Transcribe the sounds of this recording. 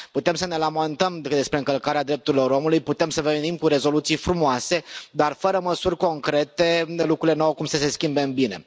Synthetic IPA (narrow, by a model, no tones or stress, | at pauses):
put̪e̞msəne̞lament̪əmkəd̪e̞spɾeɨŋkəlkaɾead̪ɾe̞p̚t̪uɾilo̞ɾo̞mulujput̪e̞msəvenimkuɾe̞zo̞lut̪sijfɾumoase̞d̪arfəɾəməsurʲko̞ŋkɾe̞t̪e̞lukɾuɾile̞nawkumsəse̞skʲimbeɨmbine̞̰